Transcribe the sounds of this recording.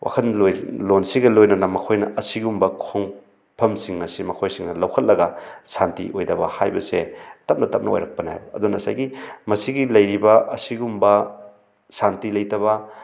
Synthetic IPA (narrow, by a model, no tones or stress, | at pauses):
wʔa̰kʰɐnlojlonsiɡɐlojnɐnɐmɐkʰojnɐ̰ʔɐsiɡumbɐkʰoŋ | pʰɐmsiŋːɐsimɐkʰojsiŋnɐlɐwkʰɐt̚lɐɡɐsantḭʔojdɐbɐhajbɐsetɐp̚nɐtɐp̚nɐo̰jɾɐk̚pɐnajbɐɐ̰dunɐsa̰jɡimɐsiɡilɐjɾibɐʔɐsiɡumbɐ | santilɐjtɐβɐ